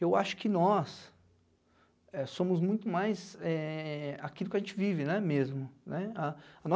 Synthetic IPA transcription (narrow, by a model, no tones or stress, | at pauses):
ewaʃʊ̥kɪnɔs | ɛsõmʊzmũj̃t̪ʊmajzɛakilˠʊkɪɐʒẽnt͡ʃɪvivɪnɛmezmʊnɛaɐnɔ